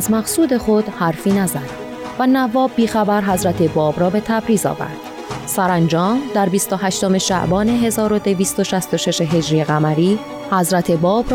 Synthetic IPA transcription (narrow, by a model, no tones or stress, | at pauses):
zmæqsuːd̪e̞χo̞d̪̥hæɾfiːnæzæd̪̥ | vænævɒːbːiːxæbæɾɦæzɾæt̪ʰe̞bɒːbɾɒːbe̞t̪ʰæbɾiːzɒ̰ːvæ̰ɾd̪̥ | sæɾænd͡ʒɒːmd̪æɾbist̪o̞ɦæʃt̪o̞me̞ʃæ̰ʔbɒːne̞ɦe̞zɒːɾo̞d̪e̞viːst̪o̞ʃæst̪o̞ʃe̞ʃe̞ɦe̞d͡ʒɾiːeɣæmæɾiː | hæzɾæt̪ʰe̞bɒːbɾ